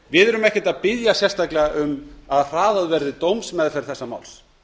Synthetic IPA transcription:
vɪðɛɾʏmɛhcɪt̪aðpɪðjasjɛ̥st̪aklɛɣaʔʏmaðr̥aːðaðvɛɾðɪt̪owmsmɛðfɛɾ̥θɛsːama̰ːwls

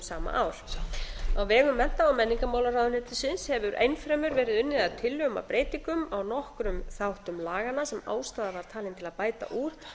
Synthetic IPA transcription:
saːma̰ʔaːwl̥ | awvɛːɣʏmːɛn̥t̪aɔwmɛnːiŋkamawlaɾawðʏnhet̪ɪsɪnshɛvʏɾʔḛjnfɾɛːmʏɾvɛːɾɪðʏnːɪðaðt̪ʰɪlːʏɣʏma̰pɾeːjt̪iŋkʏmawnɔhkɾʏmθawht̪ʏmlaːɣanasɛma̰ːwst̪aːðavaɾ̥t̪ʰaːlɪnt̪ʰɪlaðpaːjt̪a̰ʔuːɾ

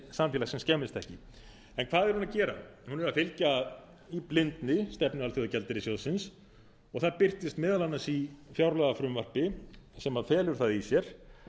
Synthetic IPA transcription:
samfilasɛmscɛːmɪst̪ɛhcɪ | ɛnkʰv̥aːðɛɾ̥hunacɛːɾa̰hunɛɾaðfɪlcað | iplɪnt̪nɪst̪ɛpnʏalθjowðacɛlt̪ɪɾɪsjowðsɪns | ɔɣθaðpɪr̥t̪ɪst̪mɪːðalanːasifjawɾlaðafɾʏmvar̥pɪsɛmafɛːlʏɾ̥θaðisjɛɾ̥

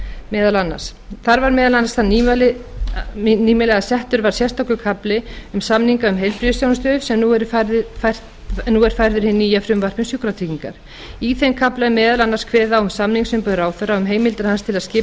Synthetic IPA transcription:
mɛːðalanːa̰sθaɾvaɾmɛːðalanːasθanl | niːmɪlɛɣasɛht̪ʏɾvaɾ̥sjɛst̪awkʏkʰaplɪʏmsamniŋkaʏmɦejlpɾiʏsjownst̪œːʏsɛmnuɛɾaɾðʏf | nuɛɾ̥fajɾðʏɾ̥hɪnːijafɾʏmvar̥pɪnsjukɾat̪ʰiciŋka̰ɾ̥ | iθejmkʰaplamɛːðalanːaskʰvɛːðaʏmsamniŋksʏmpʏðɾaːwθœɾaʏmɦeːjmɪlt̪ɪɾhanst̪ʰɪlaðscɪ

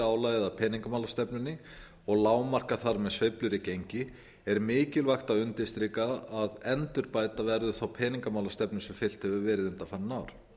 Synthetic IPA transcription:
aːwlajɣɪðapʰɛːniŋkamawlast̪ɛpnʏnːɪ | ɔɣlaːwmar̥kaθaɾmɛðsveplʏɾɪcejɲcɪ | ɛɾmɪːcɪlvaxt̪awʏnt̪ɪst̪ɾiːkaaðɛnt̪ʏɾpaːjt̪avɛɾðʏθawpʰɛːniŋkamawlast̪ɛpnʏsɛmfɪl̥t̪hɛvʏvɛːɾɪðʏnt̪afaːɾnaːwɾ̥

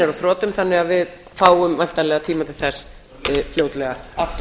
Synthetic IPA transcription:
ɛɾaθɾɔːt̪ʏmθanːɪɣaðvɪð | faːwʏmvajn̥t̪alɛːɣat̪ʰiːmat̪ʰɪlθɛsː | fljowt̪lɛɣaaft̪

